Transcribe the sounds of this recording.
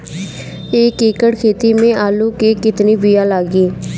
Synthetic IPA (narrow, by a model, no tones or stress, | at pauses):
eːkekəɽkʰeːt̪iːmẽːʔaːluːkeːkɪt̪niːbijaːlaːɡiː